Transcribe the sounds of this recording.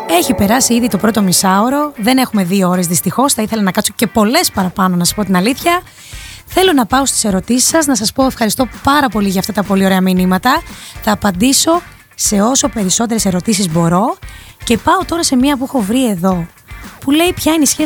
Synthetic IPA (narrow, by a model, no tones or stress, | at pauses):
e̞çipe̞ɾɐsiiðit̪opɾo̞t̪o̞misɐoɾo̞ðe̞ne̞xume̞ðiooɾe̞zðist̪ixo̞sθɐiθe̞lɐnɐkɐtso̞ce̞po̞le̞spɐɾɐpɐno̞nɐsɐspo̞t̪inɐliθçɐ | θe̞lo̞nɐpɐo̞st̪i̥se̞ɾo̞t̪isi̥sɐznɐsɐspo̞e̞fxɐɾist̪o̞pɐɾɐpo̞liʝɐːft̪ɐt̪ɐpo̞lio̞ɾe̞ɐminimɐt̪ɐθɐːpɐnd̪iso̞ | se̞o̞so̞pe̞ɾiso̞t̪̬e̞ɾe̞se̞ɾo̞t̪isizbo̞ɾo̞ce̞pɐot̪o̞ɾɐse̞miɐp̬uexo̞vɾie̞ðo̞ | pule̞jpçɐineisçe